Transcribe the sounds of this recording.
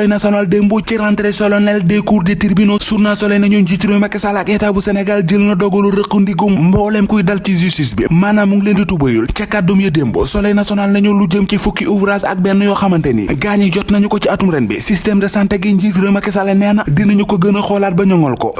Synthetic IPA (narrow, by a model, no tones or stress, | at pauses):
ɐjnɐsiɔnaldembociɾantɐɾɛsɔlɔnɛldɛkuɾditiɾbinosurnasɔlɐjnɐɲuɲɟitiɾojmɐkɛsalɐkɛtabusɛnɛɡald͡ʒəlnɐdɔɡɔluɾəqːundiɡɔmmbɔːlɛmkujdɐlcizistisbḭmanamuŋlenditubɐjult͡ʃɐkːat̚domjɐdembo̰sɔlɐjnɐsiɔnalnɐɲuluɟəmcifukːiʔuvɾasɐ̰k̚bɛnːɐjɔxɐmɐntɛnḭɡaɲijɔtnɐɲukɔt͡ʃiɐtumɾɛnbɛ̰sistɛmdɐsantɛɡiɲɟitiɾojmɐkɛsalɐnɛnɐdinɐɲukoɡənɐxɔlaːt̚bɐɲɔŋɔlkɔ̰